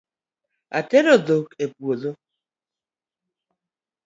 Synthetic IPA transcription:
a̰teɾoðokepuoðo

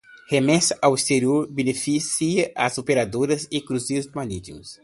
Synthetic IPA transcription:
hemɛsɐʔawist̪eɾioɾbenefisiɐʔazopeɾad̪oɾɐzɪkɾuziʊzmanit̪ikʊ̰s

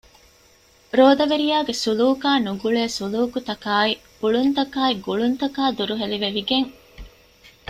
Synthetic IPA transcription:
ɾoːd̪ɐʋeɾijaːɡesuluːkaːnuɡuɭeːsuluːkut̪ɐkaːib̥uɭunt̪ɐkaːiɡuɭunt̪ɐkaːd̪uɾuɦeliʋeʋiɡeŋ

